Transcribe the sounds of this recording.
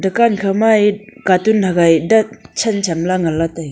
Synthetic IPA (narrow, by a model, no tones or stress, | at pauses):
dɐkankʰamajkatunhaɡajdɐt̚t͡ʃʰɐnt͡ʃʰamlaŋɐlat̪aj